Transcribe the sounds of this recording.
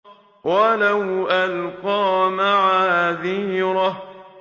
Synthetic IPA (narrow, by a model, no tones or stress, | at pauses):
walawʔalqɑːmaʕaːðiːɾˤɑ